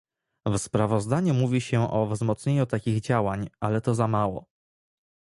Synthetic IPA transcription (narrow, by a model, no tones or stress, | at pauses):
vspɾavɔzd̪aɲumuvʲiɕɛʔɔvzmɔt̪sɲeɲut̪akʲiɣd͡ʑawaɲalɛt̪ɔzamawɔ̰